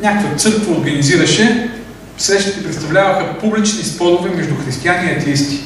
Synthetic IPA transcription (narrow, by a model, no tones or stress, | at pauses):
nʲakovot̪sɤɾkvəoɾɡɐniziɾɐʃɛ | sɾɛʃt̪i̥t̪ɛpɾɛt̪st̪ɐvlʲavɐxəpublit͡ʃnispɔd̪ovɛmɛʒd̪uxɾist̪ijaniɐt̪ɛist̪i̥